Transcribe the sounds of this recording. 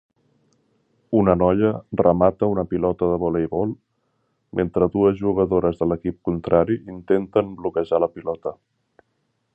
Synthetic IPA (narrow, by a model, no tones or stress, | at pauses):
unənɔʎərəmat̪əunəpilɔt̪əðəβɔlejβɔlˠ | ment̪ɾəðuəzʒuɣ̞əðoɾəzðələkip̚kunt̪ɾaɾiint̪ent̪əmblukəʒaləpilɔt̪ə